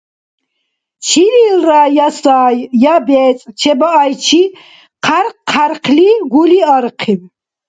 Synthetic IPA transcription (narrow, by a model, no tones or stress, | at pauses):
t͡ʃʰiɾilraːjasaːjjabɛːt͡sʼt͡ʃʰɛbaajt͡ʃʰi | qʰaɾqʰːaɾqʰliɡuliaɾqʰiw